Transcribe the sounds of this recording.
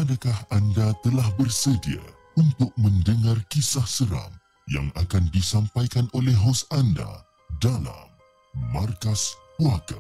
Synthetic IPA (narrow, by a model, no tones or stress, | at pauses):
adakahandat̪əlahbərsədia̰ | unt̪ʊk̚mə̃ndəŋarkisahsəɾa̰m | ja̰ŋakandisampajkanʔolɛɦɦosanda̰ | dala̰mː | arkaspuaka̰